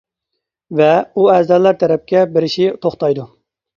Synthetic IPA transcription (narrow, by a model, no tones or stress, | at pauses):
vɛuɛzd̪ɛlːæɾt̪ʰɛɾɛp̚kʲɛbɪɾɪʃɪt̪ʰoχt̪ɑjd̪u